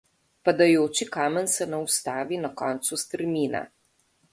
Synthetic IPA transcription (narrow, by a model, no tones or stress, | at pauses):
pad̪ajoːt͡ʃikaːmɛnsɛnawst̪aːʋinakɔnt̪sust̪ɛɾmiːna̰